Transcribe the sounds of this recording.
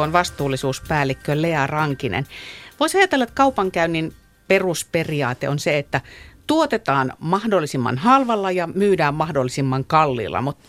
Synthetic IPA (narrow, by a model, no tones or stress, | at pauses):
onʋɑst̪uːlːˑisuːspæːlːikːøleærɑŋkinḛnʋoisɑjɑˑt̪elːɑet̪kɑupɑŋkæynːin | perusperiɑːt̪ḛonseet̪ːæt̪uot̪et̪ɑːnmɑhdolːˑisimːɑ̰nhɑlʋɑlːɑjɑmyːdæːmmɑhdolːˑisimːɑŋkɑlːḭlːɑ̰mut̪